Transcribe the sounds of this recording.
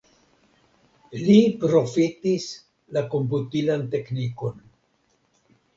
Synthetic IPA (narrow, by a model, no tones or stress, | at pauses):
lipɾo̞fitis | lako̞mp̬utilante̞kniko̞n